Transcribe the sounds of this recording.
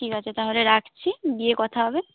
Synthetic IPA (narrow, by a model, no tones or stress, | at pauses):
ʈikat͡ɕʰet̪aɦoleɾakʰt͡ɕʰibiekɔt̪ʰaɦɔbe